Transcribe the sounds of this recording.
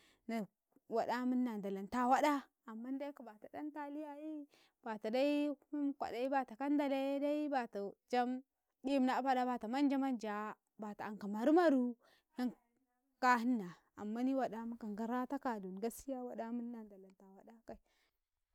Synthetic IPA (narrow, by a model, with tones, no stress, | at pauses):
na˨ | wa˨da˦mə˦nː˦a˨nda˨la˨nta˦wa˦da˦ | a˨mːa˦n˦da˦i˦ka˨ba˨ta˨da˦nta˦li˦ja˦ji˦ | b̥a˨ta˨da˦i˦u˦mkʷa̰˨da˨i˦ba˨ta˨ka˦nda˨le˦da˦i˦ba˨ta˨d͡ʒa˦m | di˦mna˨˦pa˦da˦ba˨ta˨ma˦nd͡ʒa˦ma˦nd͡ʒa˨ | ba˨ta˨a˨ŋka˨ma˨ɾu˦ma˦ɾu˦ | ja˦ŋ | ka˦hi˦nːa˨ | a˨mːa˦ni˦wa˨da˦mu˦ka˨ŋɡa˨ɾa˦ta˦ka˨du˨n˨ɡa˦si˦ja˦wa˨da˦mə˦nː˦a˨nda˨la˨nta˨wa˨˦da˦ka˨i˨